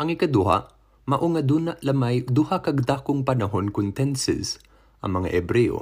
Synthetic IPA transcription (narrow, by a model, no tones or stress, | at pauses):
ʔɐŋɪkad̪ʊha̰ʔ | mɐʔʊŋad̪uːnaʔlɐmajd̪ʊhakɐɡ̚d̪aːkʊŋpɐnɐɦonkʊnt̪ɛnsɛ̰s | ʔɐ̰ŋmɐŋa̰ʔɛbɾɛʔo̰